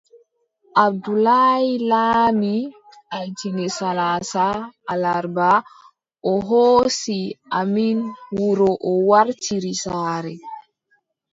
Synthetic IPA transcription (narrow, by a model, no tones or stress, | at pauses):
ʔab̚dulajilaːmi | ʔajtinɛsalaːsaːlaɾba | ʔɔɦoːsiʔaminwuɾɔʔɔwaɾtiɾisaːɾɛ